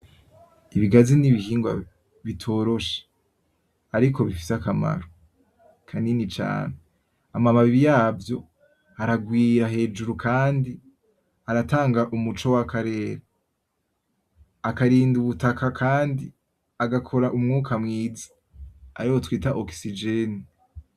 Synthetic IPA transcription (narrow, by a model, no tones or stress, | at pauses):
iβiɡaziniβihiːŋɡwa̰ | βitʰo̞ːɾo̞ʃe̥ | aɾikʰo̞βifi̥sakama̰ɾo | kʰaninit͡ʃa̰ːne | amamaβiβijaːvjo̞ | aɾaɡwiːɾaɦe̞ːd͡ʒuɾukʰaːndi | aɾataːŋɡaʔumut͡ʃo̞wakʰaɾe̞ːɾa | akaɾiːnduβutakakʰaːndi | aɡakʰo̞ɾaʔumŋuːkʰamŋiːzi̥ | a̰ɾiwotwiːtaʔoksid͡ʒeni